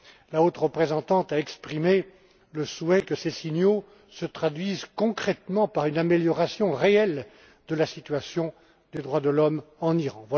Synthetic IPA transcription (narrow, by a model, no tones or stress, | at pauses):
laot̪ʁəpχezɑ̃t̪ɑ̃t̪aɛkspχime | ləswɛkəsesiɲjo | sət̪χad̪ɥizkɔ̃kχɛt̪mɑ̃paʁynameljɔʁasjɔ̃ʁeɛl | d̪əlasit̪ɥasjɔ̃ | d̪ed̪ʁwad̪əlɔmɑ̃niʁɑ̃vwa